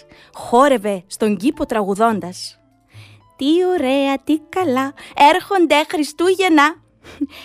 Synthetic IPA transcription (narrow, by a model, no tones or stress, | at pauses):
xo̞ɾe̞ve̞st̪o̞ɲɟipo̞t̪ɾɐɣuðo̞nd̪ɐs | t̪io̞ɾe̞ɐt̪ikɐlɐe̞ɾxo̞nd̪exɾist̪uʝe̞nɐ